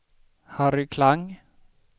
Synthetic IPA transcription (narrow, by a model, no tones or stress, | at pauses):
haɾʉkʰlaŋ